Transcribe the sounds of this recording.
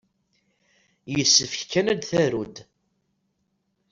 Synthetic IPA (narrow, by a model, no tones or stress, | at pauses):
jəsːəfçkːænæd̪θæɾud̪